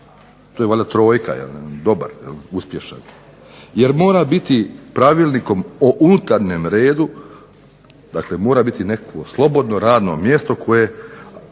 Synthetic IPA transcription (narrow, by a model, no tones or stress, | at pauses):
t̪ojeʋoʎʲat̪ɾo̞ːjkʰa̰jḛlnd̪o̞ba̰ɾjḛluspʲje̞ʃa̰n | jeɾmo̞ːɾabit̪ipɾaʋiːlˠniko̞moʔunut̪aɾɲemɾe̞ːd̪u | d̪akle̞mo̞ːɾabit̪inekakʋo̞slˠo̞bo̞d̪no̞ɾaːd̪no̞̰mje̞st̪o̞kʰo̞je